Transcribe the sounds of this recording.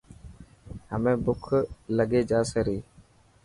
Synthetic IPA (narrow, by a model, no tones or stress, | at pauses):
həmẽbʊkʰləɡed͡ʒaːsəɾiː